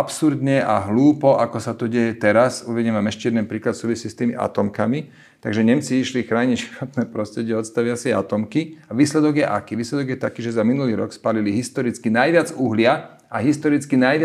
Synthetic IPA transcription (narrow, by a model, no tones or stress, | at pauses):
apsuɾd̪ɲɛʔa̰ɦluːpɔʔakɔsat̪ɔɟɛjɛt̪ɛɾasuʋɛɲɛmaːmɛʃcɛɛd̪ɛnpɾiːklat̪suːʋisiːst̪iːmiʔa̰t̪ɔmkami | t̪aɡʒɛɲɛmt͡siiʃlixɾaːɲicʃxat̪nɛːpɾɔst̪ɾɛɟɪɛɔt̪st̪aʋɪasɪɛa̰t̪ɔmkiaʋiːslɛd̪ɔɡjɛʔa̰kiːʋiːslɛd̪ɔɡjɛt̪akiːʒɛzaminuliːɾɔ̰kspaːliliɦist̪ɔɾit͡skinajʋɪad͡zuɦlɪa | aɦist̪ɔɾit͡skinajʋɪa